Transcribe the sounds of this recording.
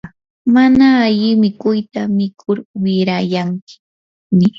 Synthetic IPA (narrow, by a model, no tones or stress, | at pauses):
manaːʎɪmɪkʊjt̪amɪkʰʊɾwɪɾajaŋkɪ̥ | mɪ